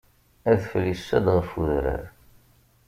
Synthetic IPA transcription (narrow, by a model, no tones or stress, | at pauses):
æðfəlːisæd̪ʁəfuðɾə̰ɾ